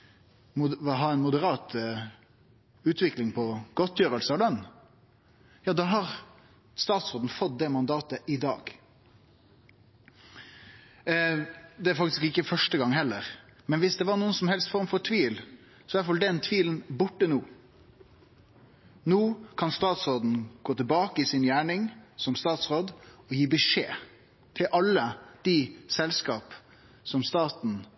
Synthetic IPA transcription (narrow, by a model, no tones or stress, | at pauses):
ɦɑːɛnmʊd̪əɾɑːt̪ | ʉːt̪ʋɪklɪŋpʰɔɡ̥ɔt̪ːjøːɾəlsəɑd̪ɛn | jɑːd̪ɑːɦɑʁ | st̪ɑːt̪sʁoːd̪n̩fɔt̪̚d̪ɛmɑnd̪ɑːt̪əʔɪd̪ɑ̰ːɡ̥ | d̪ɛæɾfɑkt̪ɪ̥skɪkːəfœʂʈəɡɑŋːhɛlːəɾmɛnʋɪsd̪ɛʋɑɾɳuːənsɔmhɛlst̪fɔɾmfɔɾt̪ʰʋiːl | sɔʋæʈfɑld̪ɛnt̪ʰʋiːln̩bʊʈːənuː | nuːkʰɑnst̪ɑːt̪sɾoːd̪n̩ɡ̥oːt̪ʰəbɑːkəɪsɪnjæːɳɪŋsɔmst̪ɑːt̪sʁoːd̪ɔjiːbəʂḛː | t̪ʰɪlʔɑlːəd̪̥ɪsɛlskɑːp | sɔmst̪ɑːt̪n̩